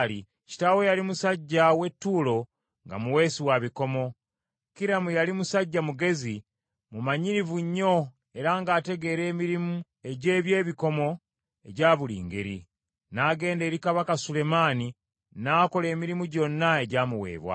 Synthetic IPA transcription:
li | ci̥tawo̞jalimusaɟːawe̞tːuːlo̞ | ŋɡa̰muwe̞ːsiwaβiko̞mo̞ | kiɾamujalimusaɟːamuɡe̞zi | mumaɲiɾivuɲːo̞ | e̞ɾaŋɡaːte̞ɡe̞ɾe̞ːmiɾimu | e̞ɟe̞ːβje̞ːβiko̞mo̞ | e̞ɟaːβulḭːŋɡe̞̰ɾḭ | naːɡe̞ːnde̞ːɾikaβakasule̞maːni | naːko̞le̞ːmiɾimuɟo̞nːae̞ɟaːmuwe̞̰ːβwa̰

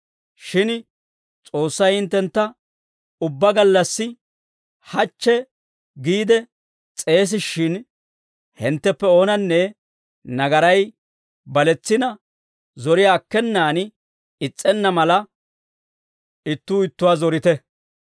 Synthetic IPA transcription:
ʃɪn | t͡sʼo̞ːsːɐjhɪnt̪ːɛnt̪ːɐ | ʊbːɐɡɐlːɐsːɪ | hɐt͡ʃːɛ | ɡiːd̪ɛ | t͡sʼe̞ːs̬ɪʃːɪn | hɪnt̪ːɛpːɛo̞ːnɐnːɛ | nɐɡɐɾɐj | bɐlɛt͡sːɪnɐ | zɔɾɪjaːkːɛnːaːn | ɪt͡sʼːɛnːɐmɐlɐ | ɪt̪ːuːɪt̪ːʊwaːzɔɾɪt̪ɛ

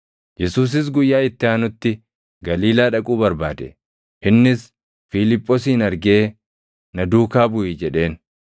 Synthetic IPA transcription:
jɛsuːs̬ɪs̬ɡʊjːaːɪt̪ːɪaːnʊt̪ːɪ | ɡɐliːlaːᶑɐkʼuːbɐɾbaːd̪ɛ̰ | ɪnːɪs | filɪpʼːɔsiːnɐɾɡe̞ː | nɐd̪uːkaːbʊʔɪd͡ʒɛᶑe̞ːn

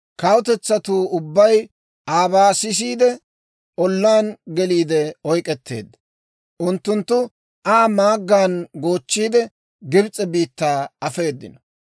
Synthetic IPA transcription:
kɐwʊt̪ɛt͡sːɐt̪uːʊbːɐj | ʔaːbaːsɪs̬iːd̪ɛ | ʔɔlːaːnɡɛliːd̪ɛɔjkʼɛt̪ːḛːd̪ːɐ̥ | ʔʊnt̪ːʊnt̪ːʊ | ʔaːmaːɡːaːnɡo̞ːt͡ʃːiːd̪ɛ | ɡɪbt͡sʼːɛbiːt̪ːaːɐfe̞ːd̪ːɪ̰nɔ̥

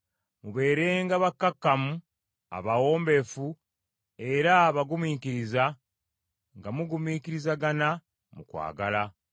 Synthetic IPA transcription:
muβe̞ːɾe̞ːŋɡaβakːakːamu | a̰βawo̞ːmbe̞fu | e̞ɾaβaɡumiːkiɾiza | ŋɡamuɡumiːkiɾizaɡana | mukwa̰ːɡala

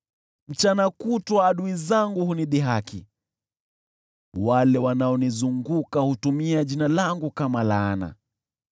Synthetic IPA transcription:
m̩t͡ʃanakutwaːɗuizaŋɡuhuniɗiɦakḭ | walɛwanaɔnizuŋɡukahutumiaʄinalaŋɡukamalaːna̰

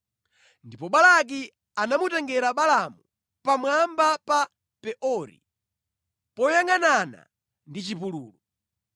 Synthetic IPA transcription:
ndipɔɓalak̬i | anamutɛŋɡɛɾaɓalamu | pamwambapa | pɛʔɔɾḭ | pɔjaŋanana̰ | ndit͡ʃipuluːlu

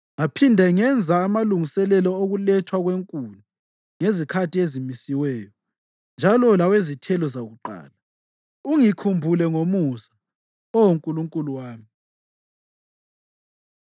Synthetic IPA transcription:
ŋapʰindʱɛŋɛnd͡zʱaːmaluŋisɛlɛlɔoɣulɛtʰwaɣweŋkʼulu | ŋezikʰatʰʼiezimisiwɛjɔ | nd͡ʒʱalɔlawezitʰɛlɔzaɣuǃa̰ːla | uŋikʰumbʱulɛŋomusḁ | ɔwoŋkʼuluŋkʼuluwaːmi

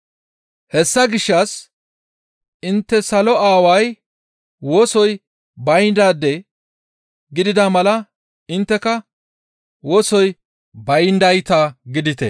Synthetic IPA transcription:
hɛsːɐɡɪʃːɐs | ʔɪnt̪ːɛsɐlɔaːwɐj | woːsɔj | bɐjnd̪aːd̪ɛ | ɡɪd̪ɪd̪amɐlɐ | ɪnt̪ːɛkɐ | woːsɔj | bɐjnd̪ɐjt̪aːɡɪd̪ɪt̪ɛ̰

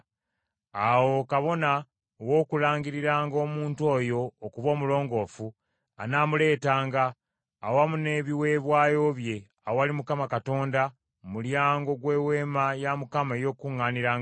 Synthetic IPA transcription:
awo̞kaβo̞na | owo̞ːkulaːŋɡiɾiɾaːŋɡo̞ːmuːnto̞ːjo̞ːkuβo̞ːmulo̞ːŋɡo̞fu | anamule̞ːtaːŋɡaː | wamune̞ːβiwe̞ːβwaːjo̞ːβje̞ | awowalimukamakato̞ːnda | muljaːŋɡo̞ɡwe̞ːwe̞ːmajamukamaejo̞ːkuŋːaːniɾaːŋ

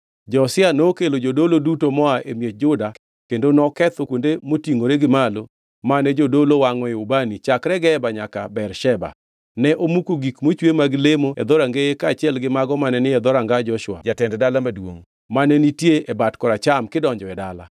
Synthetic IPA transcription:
d͡ʒɔsɪanoːkelod͡ʒodolodutomɔaʔemjed͡ʒʊda | kendonɔkɛt̪okwondemotiŋoɾeɡɪmalo | manɛd͡ʒodolowaŋɔɪubanit͡ʃakɾɛɡɛbaɲakabɛrʃɛba̰ | nɛʔomukoɡikmot͡ʃwemaɡɪlemoɛ̰d̪ɔɾaŋɡejekat͡ʃɪɛlɡɪmaɡɔmanɛnɪɛd̪ɔɾaŋɡad͡ʒɔʃwa̰d͡ʒatɛndɛdalamadwo̰ŋ | manɛnitjeʔɛbatkɔɾat͡ʃamkɪdɔɲd͡ʒɔɛdala̰

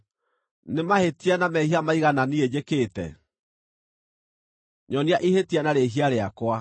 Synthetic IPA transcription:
nemahetianamɛhiamaiɣananied͡ʑekeːtɛ̰ | ɲɔniaʔihetianaɾeɦiaɾeakwa

